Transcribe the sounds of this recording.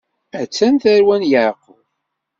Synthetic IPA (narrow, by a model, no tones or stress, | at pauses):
æt͡sːænθæɾwænjəʕqʊ